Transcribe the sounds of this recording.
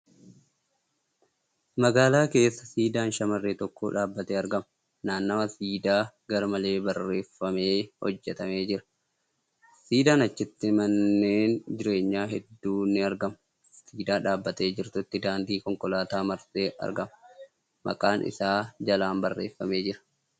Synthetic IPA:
mɐɡaːlaːke̞ːsːɐsiːd̪aːnʃɐmɐrːeːt̪ɔkːo̰ːᶑaːbːɐt̪eːɐɾɡɐmɐ | naːnːɐmɐsiːd̪aːɡɐɾɐmɐle̞ːbɐrːe̞ːfːɐme̞ːhɔ̰d͡ʒːɛt̪ɐme̞ːd͡ʒɪɾɐ̥ | siːd̪aːnɐt͡ʃːɪt̪ːɪmɐnːeːnd͡ʒɪɾe̞ːɲːaːɦɛd̪ːuːnːɪɐɾɡɐmɐ | siːd̪aːᶑaːbːɐt̪e̞ːd͡ʒɪɾt̪ʊt̪ːɪd̪aːnd̪iːkɔŋkʼɔlaːt̪aːmɐɾseːʔɐ̰ɾɡɐmɐ | mʔɐ̰kʼaːnʔɪ̰saːd͡ʒɐlaːmbɐrːḛːfːɐme̞ːd͡ʒɪɾɐ̥

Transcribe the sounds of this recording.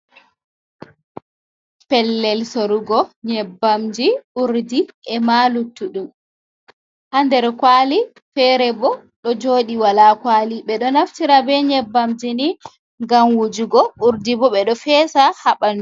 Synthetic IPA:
pɛlːɛlsoɾuɡɔɲɛbːamd͡ʒiuɾdiʔɛmalutːuɗum | handɛɾkwali | fɛɾɛbɔ | ɗɔd͡ʒoːɗiwalakwaliɓɛɗɔnaftiɾabɛɲɛbːamd͡ʒini | ŋɡamwud͡ʒuɡɔʔuɾdibɔɓɛɗɔfɛːsahaɓanu

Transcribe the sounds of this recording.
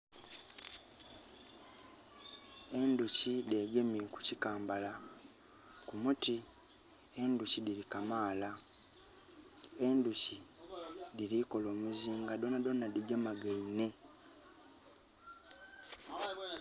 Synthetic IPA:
e̞nducide̞ɡe̞miku̥cikaːmbala | kumuti | e̞nducidilikamaːla | e̞nduci | diliko̞lo̞ːmuziːŋɡado̞nado̞nːadiɟamaɡeine̞

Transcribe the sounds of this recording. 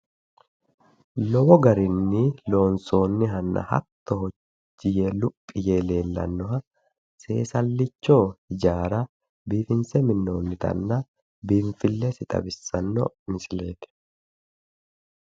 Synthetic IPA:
lɔbɔɡɐɾɪnːɪlo̞ːnso̞ːnːɪɦɐnːɐ̰hɐ̰t̪ːɔɦɔ | t͡ʃːɪjelʊpʼːɪjeːle̞ːlːɐ̰nːɔɦɐ | se̞̰ːsɐlːɪt͡ʃːoːɪd͡ʒaːɾɐ | biːfɪnsɛmɪnːo̞ːnːɪt̪ɐ̰nːɐ | bɪɱfɪlːɛsɪt̪ʼɐ̰bɪsːɐnːɔ̰nɪsɪle̞ːt̪ɪ̥

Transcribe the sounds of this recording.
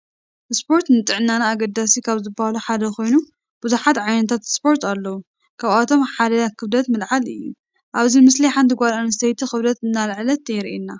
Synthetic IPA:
ʔspʰo̞ɾt̪nɨt̪ʼɨʕnːanaːɡɐd̪asikʰaβzɨbːahaluħad̪ɐxo̞jnu | b̥uzuħat̪ʕajnɐt̪ʰat̪spo̞ɾt̪ʰalːɐwu | kʰaβat̪ʰo̞mħad̪ɐakʰɨβd̪ɐt̪mɨlʕalɨ̰jːṵ | ʔaβzimɨsliħand̪ʰɨɡʷalanɨst̪ʰejt̪ʰixɨβd̪ɐt̪ɨnːalɨʕlɐt̪ɐjɛɾʔenːa

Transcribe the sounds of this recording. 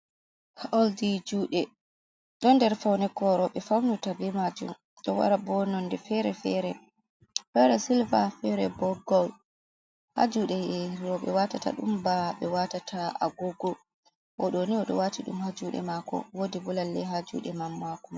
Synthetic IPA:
haʔɔldid͡ʒuːɗɛ | ɗɔndɛɾfawnɛkɔɾɔɓɛfawnutavimad͡ʒṵm | ɗɔwa̰ɾabɔnɔndɛfɛɾɛfɛɾɛ | fɛɾɛsilvafɛɾɛbɔɡɔl | ha̰d͡ʒuːɗɛjɛiɾɔɓɛ̰watata̰ɗumbaɓɛwatatʰaa̰ɡoɡɔ | ʔɔɗɔniɔɗɔ̰watiɗumhad͡ʒuɗɛ̰maːkɔ̰wodibɔlalːɛɦad͡ʒṵːɗɛmamːakum

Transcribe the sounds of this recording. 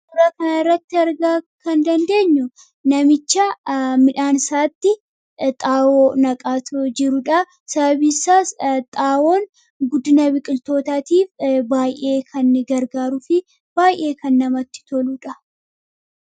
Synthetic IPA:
d̪ʊɾɐkɐnaɪrːɐt̪ːɪɐɾɡaːkɐnd̪ɐnd̪e̞ːɲːʊ | nɐmɪt͡ʃːɐmɪᶑaːnsaːt̪ːɪ | t̪ʼaːwoːnɐkʼaːt̪d͡ʒɪɾʊᶑɐ | sɐbɐbisaːt̪ʼaːwoːn | ɡʊd̪ɪnɐbɪkʼɪlt̪o̞ːt̪aːt̪iːfbaːjʔe̞ːkʰɐnɡɐɾɡaːɾʊfɪ | b̥aːjʔe̞ːkɐnːɐmɐt̪ːɪ̥t̪ɔluᶑɐ

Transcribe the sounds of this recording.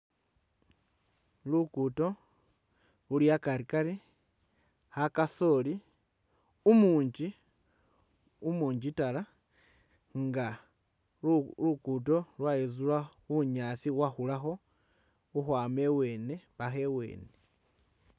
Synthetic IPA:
lukuto̞ | uljakaɾikaɾi | hakaso̞li | umuːɲd͡ʒi | umuːɲd͡ʒitala | ŋɡa | lukuto̞lwaezulauɲasiwaxulaxo̞ | uxwaːme̞we̞ːne̞βaxe̞we̞̰ːne

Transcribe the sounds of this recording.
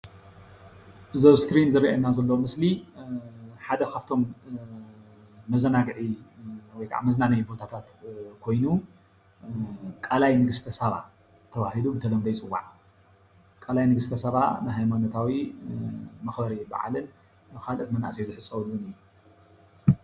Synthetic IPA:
ʔɨzoβskɾinzɨɾiʔaɐnːazɐlːɐwmɨsli | ħad̪ɐkʰaft̪ʰo̞m | ɐzɐnaɡʕiwɔjkʰa̰ʔa̰mɐznanɐjbo̞t̪ʰat̪ʰat̪kʰo̞jnu | kʼalajnɨɡɨst̪ʰɐsɐβa̰ | t̪ʰːɐβahilubɨt̪ʰɐlɐmd̪ɐjt͡sʼɨwːa̰ʕ | kʼalajnɨɡɨst̪ʰɐsɐβa̰najɦajmanot̪ʰawi | mɐxbɐɾiba̰ʕa̰lɨn | ɨkʰalʔɨt̪mɐna̰ʔsɐjzɨħɨsʼːɐwɨlːunɨjːu

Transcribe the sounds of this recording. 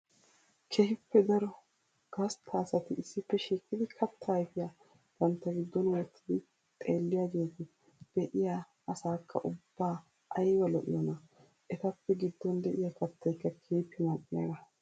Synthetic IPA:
kʰɛhɪpːɛd̪ɐɾɔ | ɡ̥ɐst̪ʰːaːsɐt̪ɪɪsːɪpːɛʃiːkʼːɪd̪ɪkʰɐt̪ʰːɐjfɪja | t̪ɐnt̪ːɐɡɪd̪ːɔnwɔt̪ʰːɪd̪ɪ | t̪ʼe̞ːlːɪjaːɡeːt̪ɪ | d̪̥ɛʔɪja | ɐsaːkːɐ̰ʔʊbːaː | ʔɐjwɐlɔʔɪ̰jɔnɐ | ʔɛt̪ɐpːɛɡɪd̪ːɔnd̪ɛʔɪjakɐt̪ːɐjkːɐkʰehpːɪnɐkʼːɪjɐ̰ːɡɐ

